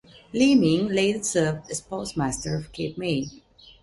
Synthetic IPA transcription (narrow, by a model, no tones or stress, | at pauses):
limɪ̃ŋleɪtəsɜːvdɨspʰoʊsmæstəɹʌv̥kʰep̚med